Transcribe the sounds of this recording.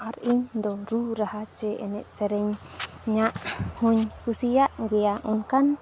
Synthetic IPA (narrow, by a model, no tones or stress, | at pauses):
aɾiɲd̪oɾuɾaɦat͡ʃeenɛʔseɾeɲ | ɲaʔhũɲhusiaʔɡeaʔunkan